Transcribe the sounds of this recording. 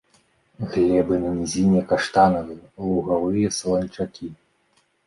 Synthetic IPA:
ɣlʲɛbɨnɐnʲizʲinʲɛkaʂt̪anɐvɨlˠuɣavɨjɐslˠɔnʲt͡ʂakʲʰi

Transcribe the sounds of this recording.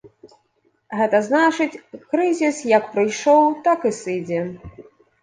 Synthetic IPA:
ɣɛt̪ɐznat͡ʂɨt͡sʲkɾɨzʲisjɐk̚pɾɨjʂɔwt̪akɨsɨd͡zʲɛ

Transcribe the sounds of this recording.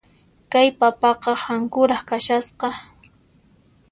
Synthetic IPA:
kajpapɑqɑhaŋkʊɾɑχkaʃasqɑ

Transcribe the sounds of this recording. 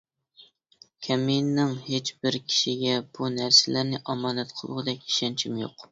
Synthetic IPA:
kʲʰɛmijnːɪŋhet͡ʃbɪɾkʲʰi̥ʃiɡʲɛb̥unæɾsɪlæɾnɪʔɑmɑːnɛt̪qʰəlˠʁɨd̪ɛkʲi̥ʃɛnt͡ʃʰimjo̰q

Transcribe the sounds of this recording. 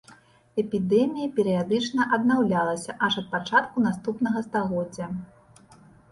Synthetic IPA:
ɛpʲid̪ɛmʲijɐpʲɛɾijad̪ɨt͡ʂnɐʔɐd̪nawlʲalˠɐsʲɐʔɐʂɐt̪̚pat͡ʂat̪kunast̪upnɐɣɐst̪aɣɔd͡zʲːɐ

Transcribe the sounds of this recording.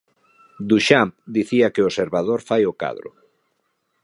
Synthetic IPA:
d̪uʃamp̚d̪iθiakɪoseɾβað̞oɾfajoka̰ðɾʊ̰

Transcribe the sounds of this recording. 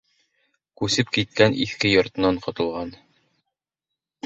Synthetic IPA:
kʉsɘpkit̪̚kænʔḭθkɘjŏɾt̪ɤ̆nɑɴqŏt̪ŏlˠʁɑn

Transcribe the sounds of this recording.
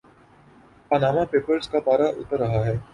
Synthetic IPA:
panaːmapeːpəɾskapaːɾaʔʊ̰t̪əɾːɐɦaɦɛː

